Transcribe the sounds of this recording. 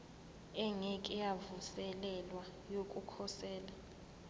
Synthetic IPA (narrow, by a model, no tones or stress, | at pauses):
ɛŋɛkʼɛjavusɛlɛlwajokʼukʰɔsɛːla